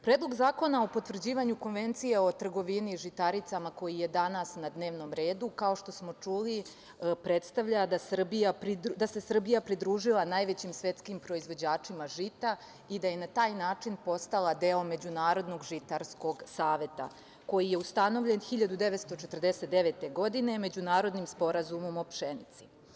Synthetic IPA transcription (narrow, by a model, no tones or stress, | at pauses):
pɾeːd̪lˠo̞ɡzaːko̞nao̞po̞t̪ʋr̩d͡ʑiːʋaɲuko̞nʋe̞nt̪sije̞o̞t̪r̩ɡo̞ʋiniʒit̪aɾit̪samako̞jije̞d̪anasnad̪ne̞ːʋno̞mɾe̞ːd̪ukao̞ʃt̪o̞smo̞t͡ʂuli | pɾe̞t̪st̪aʋʎad̪asr̩bijapɾid̪ase̞sr̩bijapɾid̪ɾuːʒilˠanaːjʋe̞t͡ɕimsʋe̞t̪skimpɾo̞izʋo̞d͡ʑaːt͡ʂimaʒit̪a | id̪aje̞nat̪aːjnaːt͡ʂinpo̞st̪alˠad̪eome̞d͡ʑunaːɾo̞d̪no̞ɡʒit̪aɾsko̞ɡsaːʋe̞t̪a̰ | ko̞jije̞ust̪ano̞ʋʎe̞nxiʎad̪ud̪e̞ʋet̪st̪o̞t͡ʃet̪ərd̪e̞set̪̚d̪e̞ʋeːt̪e̞ɡo̞d̪ine̞me̞d͡ʑunaːɾo̞d̪nimspo̞ɾazumo̞mopʃenit̪si̥